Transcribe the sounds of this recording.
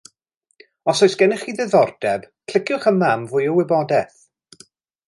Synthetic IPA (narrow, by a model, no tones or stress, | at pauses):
ɔsɔjsɡ̥ɛnɪχiːðɛðɔrd̥ɛb̥ | kʰl̥ɪkʰjʊχəmamvʊjɔwɪbɔdɛθ